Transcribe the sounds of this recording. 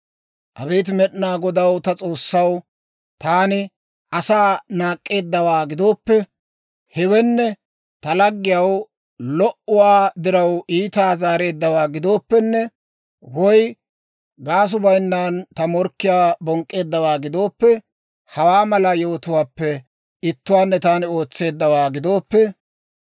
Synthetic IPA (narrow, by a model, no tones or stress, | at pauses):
ʔɐbeːt̪̬mɛɗnaːɡɔd̪ɐwt̪ɐt͡sʼo̞ːsːɐw | t̪aːnɪ | ʔɐsaːnaːkʼːe̞ːd̪ːɐwaːɡɪd̪o̞ːpːɛ | hɛwɛnːɛ | t̪ɐlɐɡːɪjɐw | lɔʔʊwaːd̪ɪɾɐwiːt̪aːzaːɾe̞ːd̪ːɐwaːɡɪd̪o̞ːpːɛnːɛ | wɔj | ɡaːs̬ʊbɐjnːant̪ɐmɔɾkːɪjaːbɔŋkʼːe̞ːd̪ːɐwaːɡɪd̪o̞ːpːɛ | hɐwaːmɐlɐjo̞ːt̪ʊwaːpːɛ | ɪt̪ːʊwaːnːɛt̪aːnɪo̞ːt͡sːe̞ːd̪ːɐwaːɡɪd̪o̞ːpːɛ